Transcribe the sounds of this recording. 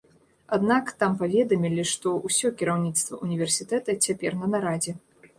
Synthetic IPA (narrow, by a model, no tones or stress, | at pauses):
ad̪nakt̪ampavʲɛd̪ɐmʲilʲiʂt̪ɔʔusʲɔkʲiɾawnʲit̪st̪vɐ̰unʲivʲɛrsʲit̪ɛt̪ɐt͡sʲapʲɛrnɐnaɾad͡zʲɛ